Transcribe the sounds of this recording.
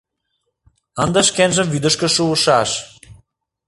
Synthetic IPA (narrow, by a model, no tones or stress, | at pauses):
ɑnd̪ɑʃkenʒəmvyd̪ə̆ʃkə̆ʃuəʃɑʃ